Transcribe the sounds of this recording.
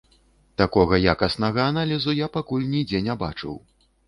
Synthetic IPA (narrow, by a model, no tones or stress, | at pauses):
t̪akɔɣɐjakɐsn̪ɐɣɐanalʲizujapakulʲnʲid͡zʲɛnʲaba̰t͡ʂɨ̰w